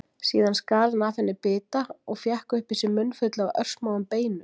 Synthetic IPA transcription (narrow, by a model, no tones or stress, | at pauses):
sḭːðanskaːlnaːfɪnːɪpɪːt̪aɔɣfjahkʏhpɪsɪmʏnːfʏt̪lɪawʔœ̰r̥smaːwʏmpeːjnʏ